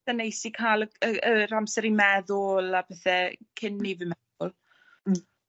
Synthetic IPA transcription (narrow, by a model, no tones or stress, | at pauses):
θɛnejsikʰajlˠəəəɾamsɛɾimɛðʊlˠabɛθɛkʰɪnːivɨmɛðʊlˠ